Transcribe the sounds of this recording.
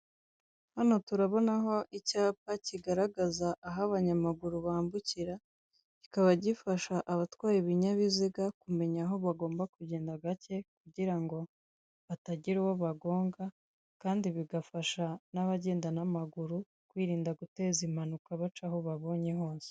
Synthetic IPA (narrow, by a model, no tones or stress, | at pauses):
hano̞tuɾaβo̞naɦo̞ʔicaːpaciɡaɾaɡazaʔːɦaβaɲamaɡuɾuβaːmbuciɾa | ci̥kaβaɟifaʃaʔaβatwaːɾiβiɲaβiziɡakume̞ɲaɦo̞βaɡo̞ːmbakuɟe̞ːndaɡace̞kuɟiɾaŋɡo̞ | βataɟiɾuwoβaɡo̞ːŋɡa | kaːndiβiɡafaʃanaβaɟe̞ːndanamaɡuɾu | kwiːɾiːndaɡute̞ːzim̥hanukaβat͡ʃaɦo̞βaβo̞ːɲe̞ɦo̞ːse̥